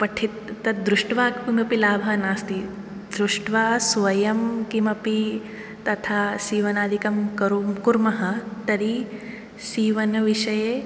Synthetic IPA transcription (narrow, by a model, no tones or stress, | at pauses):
pɐʈʰit̪ːɐd̪ɾuʂʈʋaːkkimɐpilaːbʱɐnaːst̪i | d̪ɾuʂʈʋaːsʋɐjɐmkimɐpi | t̪ɐt̪ʰaːsiːʋɐnaːd̪ʱikɐmkɐɾumkuɾmɐɦɐt̪ɐɾi | siːʋɐnɐʋiʃɐje